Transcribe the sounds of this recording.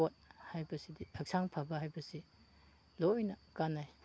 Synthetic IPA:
ot̚hajbɐsidiɐk̚sʰaŋpʰabɐɦajbɐsi | lojnɐkanaj

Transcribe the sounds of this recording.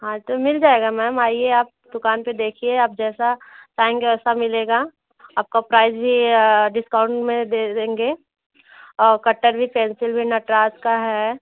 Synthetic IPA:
ɦãːt̪omɪld͡ʒaːeːɡamɛːmaːieaːp̚d̪ʊkaːnped̪eːkʰieaːp̚d͡ʒɛːsat͡ʃaːɪ̃ŋɡeɛːsamɪleːɡaː | aːp̚kapɾaːɪzbʱiɖɪskãːʊ̃ɳʈmẽd̪eẽːŋɡeː | ɔːɾkɐʈːəɾbʱipɛ̃ːnsɪlbʱinɐʈɾaːskaɦɛ

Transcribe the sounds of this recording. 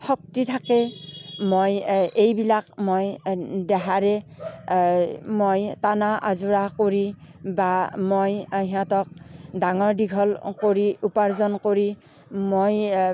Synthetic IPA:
hɔk̚titʰakɛmojejbilakmojdɛɦaɹɛ | mojtanaʔazuɹakoɹi | bamojɦiãtɔk̚daŋɔɹdiɡʱɔlkoɹiupaɹzɔnkoɹi | moj

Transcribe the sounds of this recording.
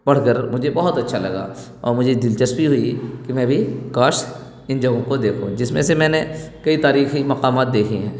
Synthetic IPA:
bɐɽ̤kəɾmʊd͡ʒʱebɔɦʊt̪ɐtːʃʰalɐɡa̰ː | ɔːɾmʊd͡ʒʱed̪ɪlt͡ʃəsbʱiɦʊikimɛ̃ːbʱikaːʃ | ɪ̃nd͡ʒɐɡõkod̪eːkʰũd͡ʒɪsmẽsemɛ̃ːnekɐit̪aːɾiːximɐqaːmaːt̪̚d̪eːkʰiɦɛ̰̃ː

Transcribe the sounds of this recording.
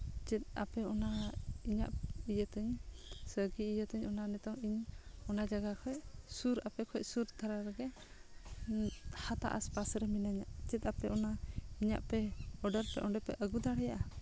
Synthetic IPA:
t͡ʃɛt̪̚a̰pɛɔnaiɲa̰ʔijət̪əɲsəɡiijət̪əɲɔnanɛt̪ɔŋiɲɔnad͡ʒaɡakʰɔjʔsuɾapɛkʰɔcsuɾd̪ʰʱaɾaɾɛɡɛ | hat̪a̰ʔa̰spasɾɛminaɲaʔt͡ʃɛt̪ˀapɛʔɔnaiɲa̰ʔpɛɔɖəɾpɛ̰ʔɔɳɖɛpɛʔəɡud̪aɽɛjaʔa

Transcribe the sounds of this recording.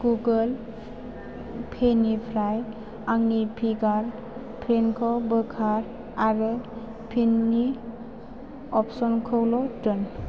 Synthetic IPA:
ɡ̥uɡəl | pʰenipʰɾaj | aŋnipʰiɡaɾ | pʰɾenkʰɔbɯkʰaɾ | aɾɯ | pʰinːi | ɔpsɔnkʰɔwlɔtɯn

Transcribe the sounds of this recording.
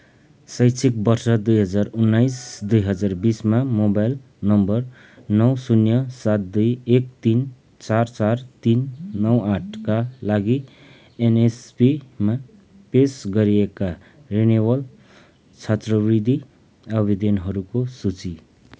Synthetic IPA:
sʌjt͡sʰik̚bʌrsʌd̪ujɦʌd͡zarunːajsd̪ujɦʌd͡zarbismamobajl | nʌmbʌr | nʌwsunjʌsat̪̚d̪ujek̚t̪in | t͡sart͡sart̪inːʌwaʈʰkalaɡi | enespima | pesɡʌɾieka | renebʌl | t͡sʰʌt̪rʌbrid̪ʱi | ʌbʱid̪enɦʌɾukosut͡si

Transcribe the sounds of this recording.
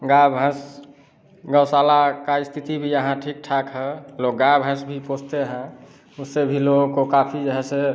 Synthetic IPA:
ɡabʱə̃s | ɡəwsalakaist̪ʰit̪ibʱijəɦãʈʰik̚ʈʰakɦɛlok̚ɡabʱɦə̃sbʱiposʰt̪eɦɛ̃ | usebʱilokokapʰid͡ʒəɦɛse

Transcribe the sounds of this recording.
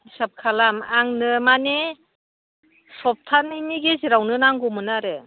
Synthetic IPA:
sap̚kʰalamaŋnɯmane | sɔp̚tʰanɯniɡeziɾawnɯnaŋɡumɯnaɾe

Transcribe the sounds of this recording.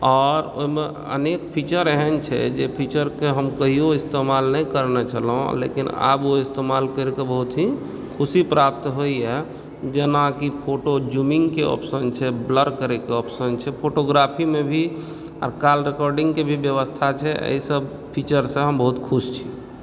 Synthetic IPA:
ɔːɾo̰ime | ə̰nekpʰit͡ʃəɾəɦɛnt͡ʃʰɛ̰d͡ʒepʰit͡ʃəɾkeɦəmkəɦioist̪emalnəikəɾnet͡ʃʰəlɦõ̰lḛkina̰boist̪emalkəɾekebəɦut̪ɦi | kʰusipɾap̚t̪ɦoiɛ | d͡ʒənakipʰoʈod͡ʒumiŋɡkeɔ̰psənt͡ʃʰɛbləɾkəɾekeɔpsənt͡ʃʰɛpʰoʈoɡɾapʰimebʱi | a̰ɾkalɾekɔɾɖĩŋɡkebʱibjəʋəst̪ʰat͡ʃʰɛʔə̰isəb | pʰit͡ʃəɾsẽɦəmbəɦut̪kʰust͡ʃʰi̥

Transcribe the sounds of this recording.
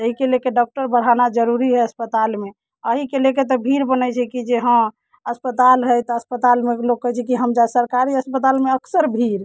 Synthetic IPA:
əɦikelekeɖɔk̚ʈəɾbəɽ̤anad͡ʒəɾuɾiɦɛəspət̪alme | əɦikeleket̪ɔbʱiɾbənət͡ʃʰɛkid͡ʒeɦə̃ | əspət̪alɦəjt̪ɔəspət̪almeklok̚kːəɦɛt͡ʃʰɛkiɦəmd͡ʒasəɾkaɾiəspət̪almeəksəɾbʱiɾ

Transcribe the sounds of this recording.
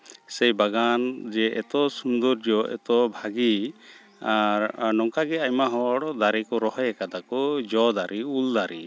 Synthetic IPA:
sɛjbaɡand͡ʒɛʔɛ̰t̪ɔsund̪ɔɾd͡ʒɔʔɛ̰t̪ɔbʱaɡi | aɾnɔŋkaɡɛajmaɦɔɽd̪aɾikɔɾɔɦɔjɛkad̪akɔd͡ʒɔd̪aɾiuld̪aɾi

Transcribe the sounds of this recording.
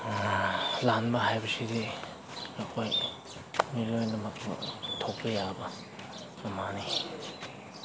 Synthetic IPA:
lanbɐɦajbɐsidi | ɐkʰoj | milojnɐmɐtuŋtʰok̚pɐjabɐ | mɐmani

